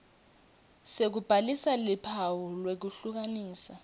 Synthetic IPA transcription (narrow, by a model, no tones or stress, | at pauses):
sek̬ub̥ʱalisalipʰawɔlwek̬uɬuk̬aniːsa